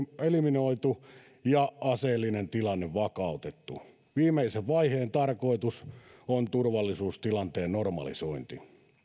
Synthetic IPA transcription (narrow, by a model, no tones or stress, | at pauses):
eliminoit̪u | jɑɑseːlːinent̪ilɑnːeʋʋɑkɑˑut̪et̪ːṵ | ʋiːmeiseʋʋɑiheːnt̪ɑrkoit̪usont̪urʋɑlːisuːst̪ilɑnt̪eːnnormɑ̰lḭsoint̪ḭ